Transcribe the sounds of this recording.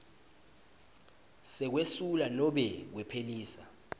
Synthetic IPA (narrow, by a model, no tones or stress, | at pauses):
sɛk̬wesulanɔɓɛk̬wɛpʰeliːsa